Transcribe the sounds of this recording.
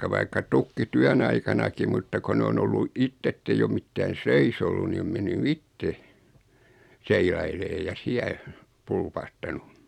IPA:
ʋɑikːɑ tykːityæn ɑikɑnɑki mutːɑ ko ne on olːu itː etːeij o mitːæːn̞ seis olːun ni om menːy itːe seilɑileː jɑ siæ pulpɑhtɑnu

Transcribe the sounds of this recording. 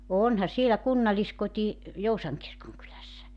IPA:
onhɑ sielæ kunːɑliskoti jousɑŋ kirkoŋkylæsːæ

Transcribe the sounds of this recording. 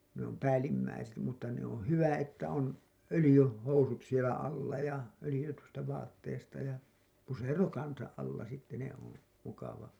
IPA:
ne om pæːlːimːæiset mutːɑ ne on̞ hyʋæ etːæ on ølĭjy housut sielæ ɑlːɑ jɑ ølĭjytystæ ʋɑːtːeːstɑ jɑ pusero kɑnsɑʔ ʔɑlːɑ sitːe ne on mukɑʋɑ

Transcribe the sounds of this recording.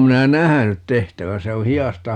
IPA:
minæ næhænyt tehtæʋæ se o hiɑstɑ

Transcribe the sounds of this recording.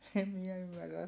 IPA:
em miɛ ymːærːæs

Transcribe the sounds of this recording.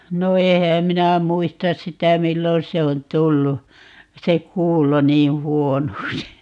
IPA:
no ehæːm minæ muistɑs sitæ milːon se on tulːu se kuːlo niː huonoksi

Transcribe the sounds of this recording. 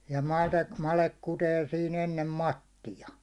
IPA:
jɑ mɑdek mɑlek kuteː siːn enːem mɑtːijɑ

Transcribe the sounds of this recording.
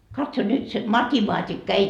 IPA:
kɑtso nyt se mɑtimɑːtikːɑ ei

